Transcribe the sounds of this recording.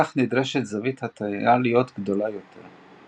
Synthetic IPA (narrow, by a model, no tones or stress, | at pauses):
aχnid̪ʁeʃet̪zavit̪hat̪ʰaalijot̪ɡd̪o̞lajo̞tʰḛʁ